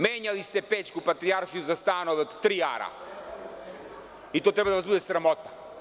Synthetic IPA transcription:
mɛɲalist̪ɛpɛt͡ʃkupat̪ɾiaɾʃijuzast̪anovɛɔt̪ːɾia̰ɾa̰ | it̪ot̪ɾɛbad̪avazbud̪ɛsɾamɔt̪ḁ

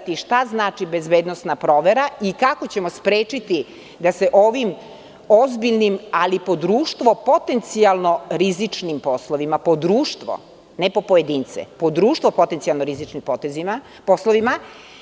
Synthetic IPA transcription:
t̪iʃt̪aznaːt͡ʃibe̞zbeːd̪nosnapɾo̞ːʋeɾaikako̞t͡ɕe̞mospɾe̞ːt͡ʃit̪i | d̪ase̞ʔo̞ːʋim | ozbiʎnimalipo̞d̪ɾuːʃt̪ʋo̞po̞t̪e̞nt̪sialˠno̞ɾizit͡ʂnimpo̞slˠoʋimapo̞d̪ɾuːʃt̪ʋo̰ | nepo̞pojed̪iːnt̪sɛ̰pod̪ɾuːʃt̪ʋo̞po̞t̪ent̪sialˠnoɾizit͡ʃnimpot̪ezi | posloʋima

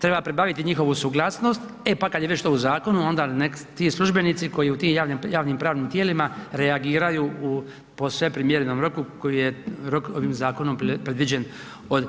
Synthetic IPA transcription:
t̪ɾe̞bapɾebaʋit̪iɲixo̞ʋusuɡlˠaːsno̞st̪ | e̞pakad̪jeʋet͡ɕt̪ouzaːko̞nuo̞nd̪ane | t̪iːslˠuʒbe̞nit̪siko̞jiut̪iːmjaːʋnjaːʋniːmpɾaːʋnimt̪jeːlimaɾe̞aɡiːɾajuːu | po̞sʋepɾimjeɾnomɾo̞kuko̞jijeɾo̞ko̞ʋiːmzaːkonompɾed̪ʋid͡ʑe̞n | od̪

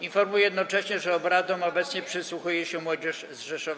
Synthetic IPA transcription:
infɔɾmujɛjɛd̪nɔt͡ʂɛɕɲɛʐɛɔbɾad̪ɔmɔbɛt̪sɲɛpʂɘswuxujɛɕɛmwɔd͡ʑɛʂ | zʐɛʂɔv

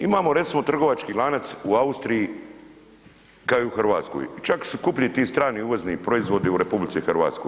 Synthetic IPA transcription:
imaːmo̞ɾe̞t̪simo̞t̪r̩ɡo̞ʋat͡ʃkilˠaːnat̪suaust̪ɾiji | kaiuxrʋaːt̪sko̰jt͡ʃaksukupʎit̪iːst̪ɾaːniuʋoznipɾo̞izʋo̞d̪iuɾe̞publit̪sixrɾʋa̰ːt̪sko̰

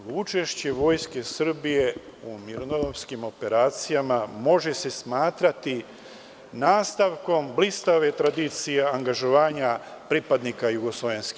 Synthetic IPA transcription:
ut͡ʃe̞ʃt͡ɕe̞ʋo̞ːjske̞sr̩bije̞ | umiɾonod̪omskimo̞pe̞ɾaːt̪sijamamo̞ʒe̞se̞smaːt̪ɾat̪i | naːst̪aʋko̞mblist̪aʋe̞t̪ɾad̪it̪sije̞aŋɡaʒoʋaːɲapɾipad̪nikajuɡoslˠoʋenski̥

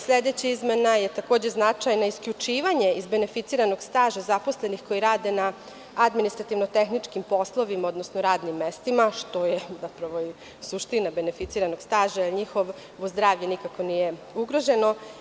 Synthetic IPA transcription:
sʎʲed̪et͡ɕaizmenaje̞t̪akoːd͡ʑeznat͡ʃajnoiskʎʲut͡ʂiːʋaɲe̞izbe̞nefit̪siːɾano̞ɡst̪aːʒazaposle̞nixko̞jiɾaːd̪e̞na | ad̪minist̪ɾat̪iʋnot̪e̞xnit͡ʂkimpo̞slˠo̞ʋimaod̪nosnoɾaːd̪nimːest̪imaʃt̪o̞jezapɾaʋo̞i | suʃt̪inabe̞ne̞fit̪siːɾanoɡ̥st̪aːʒajlɲixo̞ʋ | ʋozd̪ɾaːʋʎenikako̞nije̞ | uɡɾo̞ʒe̞no

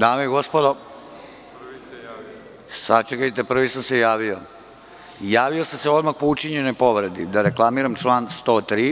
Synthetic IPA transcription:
d̪aːmeeɡospod̪o | sat͡ʃekajt̪epr̩ʋisamsejaːʋio | jaːʋiosamseo̞d̪maxpout͡ʃiɲenojpoʋɾed̪id̪aɾeklˠamiɾamt͡ʂlˠaːnst̪oːt̪ɾiː

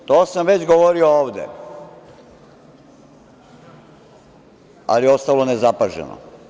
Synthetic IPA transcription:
t̪oːsamʋe̞t͡ɕɡoʋoɾiooːʋd̪ḛ | a̰lijeo̞st̪alˠo̞nezapaʒḛno̰

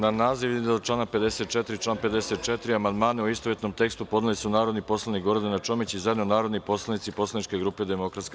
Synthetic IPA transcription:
nanaːziʋ̪id̪t͡ʃlˠaːnape̞d̪e̞set̪̚t͡ʃet̪ɾit͡ʃlaːnpe̞d̪eset̪̚t͡ʃet̪ɾiamand̪maːneuist̪oʋjet̪no̞mt̪e̞kst̪upo̞d̪nelisunaːɾod̪nipo̞slˠanikɡo̞ɾd̪anat͡ʃo̞mit͡ɕizajed̪nonaːɾo̞d̪nipo̞slˠanit̪sipo̞slanit͡ʃkeɡɾuːped̪emo̞kɾat̪sk

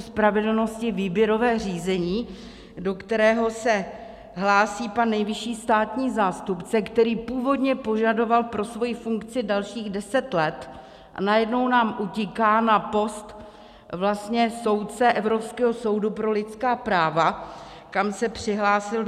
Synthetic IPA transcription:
spɾavɛdl̩no̞scɪviːbjɛɾo̞vɛːr̝iːzɛɲiː | do̞kt̪ɛɾɛːɦo̞sɛ | ɦlaːsiːpanːɛjvɪʃiːst̪aːt̪ɲiːzaːst̪upt͡sɛkt̪ɛɾiːpuːvo̞dɲɛpo̞ʒado̞valpɾo̞svo̞jɪfuŋkt͡sɪdalʃiːɣdɛsɛt̪lɛt̪ | ʔa̰najɛdno̞wnaːmʔucɪkaːnapo̞st̪ | vlast̪ɲɛso̞wt̪̚t͡sɛʔɛvɾo̞pskɛːɦo̞so̞wdupɾo̞lɪt͡skaːpɾaːva | kamsɛpr̥ɪɦlaːsɪl

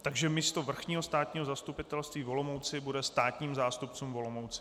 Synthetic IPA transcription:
t̪aɡʒɛmɪst̪o̞vr̩xɲiːɦost̪aːt̪ɲiːɦo̞zast̪upɪt̪ɛlst̪viːvɦolomowt͡sɪbudɛst̪aːt̪ɲiːmzaːst̪upt͡suːmvo̞lo̞mowt͡sɪ̥

